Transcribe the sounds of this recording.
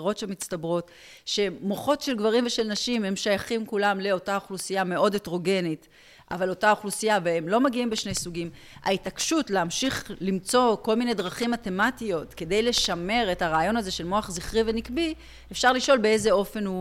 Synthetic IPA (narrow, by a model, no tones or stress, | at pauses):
ʁo̞tʃemit͡stabʁo̞t | ʃe̞moχo̞tʃe̞lɡvaʁimveʃe̞lnaʃime̞mʃajaχimkulamle̞o̞taoχlusijame̞ʔo̞detʁo̞ɡe̞nit | ʔa̰valo̞taoχlusijaveemlo̞maɡiimbeʃne̞jsuɡim | a̰itakʃutleamʃiχlimt͡so̞ko̞lmine̞jdʁaχimːate̞matijo̞tke̞de̞jle̞ʃame̞ʁethaʁaːjo̞nazeʃe̞lmo̞aχziχʁivenikbi | efʃaʁliʃo̞lbeeze̞o̞fe̞nu